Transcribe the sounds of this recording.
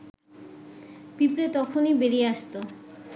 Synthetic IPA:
pipɾet̪ɔkʰonibeɾieaʃt̪o

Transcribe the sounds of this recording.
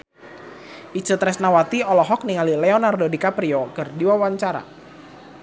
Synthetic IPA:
ʔit͡ʃət̪ɾɛsnawat̪iɔlɔɦɔk̚niŋalilɛɔnardodikapɾiɔkɨrdiwawaɲt͡ʃaɾa̰

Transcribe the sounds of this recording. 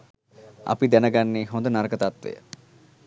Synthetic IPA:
a̰pid̪ɛnəɡanːiɦõnd̪onaɾkət̪at̪ʋḛjə̰

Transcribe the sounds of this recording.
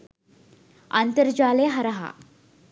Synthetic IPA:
a̰nt̪əɾd͡ʑaːleɦaɾaɦa̰

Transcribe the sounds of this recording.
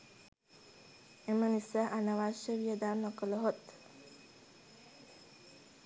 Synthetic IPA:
emənisəʔanɐʋaʃəʋijəd̪aːnːokələɦot̪

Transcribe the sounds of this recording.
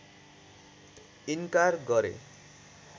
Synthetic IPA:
iŋkarɡʌɾḛ

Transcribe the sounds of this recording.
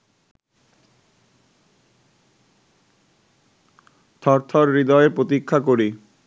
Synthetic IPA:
t̪ʰɔɾt̪ʰɔɾːid̪ɔeɾpɾot̪ikʰːakoɾi

